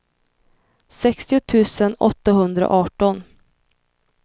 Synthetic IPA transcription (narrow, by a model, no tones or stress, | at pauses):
sɛkst̪ɪʊt̪ʰʉ̟ːsənɔ̰t̪ːaɦɵnd̪ɾa̰ʔɑːʈɔn